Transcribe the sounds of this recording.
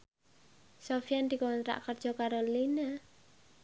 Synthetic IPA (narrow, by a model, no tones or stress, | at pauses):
sofiand̪ikɔnt̪ɾa̰ʔkərd̥ʒ̥ɔkaɾolina